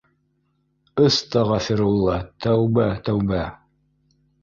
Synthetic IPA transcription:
ɤst̪ɑʁɑfɘɾulˠːɑt̪æwbæt̪æwbæ

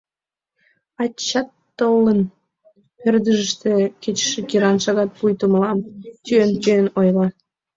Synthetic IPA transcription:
ɑt͡ɕːɑt̪ːolːən | perd̪əʒəʃt̪ĕket͡ɕə̥ʃĕkiɾɑnʃɑɣɑt̪̚pujt̪uməlɑmt͡ɕyent͡ɕøenojlɑ

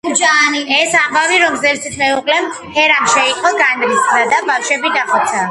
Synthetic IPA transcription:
ud͡ʒaːniɛsambaviɾɔmzɛlsit̪ʰɾɛuqʼlɛm | hɛɾamʃɛiqʼɔɡanɾisɾad̪abafʃɛbid̪aχɔt̪sʰa

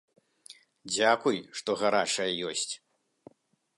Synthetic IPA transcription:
d͡zʲakujʂt̪ɔɣaɾat͡ʂɐjɐjɔsʲt͡sʲ

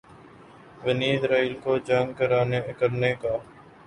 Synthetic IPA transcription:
ʋəniːzɾaːiːlkoːd͡ʒəŋɡkəɾaːnekəɾneːkaː

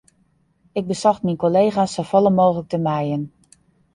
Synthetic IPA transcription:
ɪɡ̚bəsɔxtminkolejχasowfɔlˠəmoːχələk̚təmɛjən

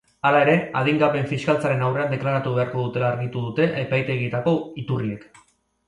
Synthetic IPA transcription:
alae̞ɾe̞að̞iŋɡaβe̞ɱfiskalt͡saɾe̞nawre̞and̪e̞klaɾat̪uβe̞aɾko̞ð̞ut̪e̞laːɾɣit̪uðut̪e̞ʔaepajt̪e̞ɣ̞it̪ako̞it̪urie̞k

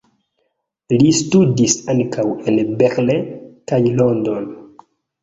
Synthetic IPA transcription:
listudisankʰawenbeɾlekajlondon

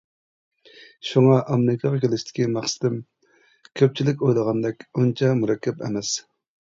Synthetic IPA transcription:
ʃuŋɑʔɑmɾɪkʰɑʁɑkʲʰelɪʃt̪ʰɪ̥kʲimɑχsɨ̥d̪ɪm | kʲʰøp̚t͡ʃʰilɪkʲojlˠəʁɑnd̪ɛkʲunt͡ʃʰɑmuɾɑkʲʰːɛpḛmɛs

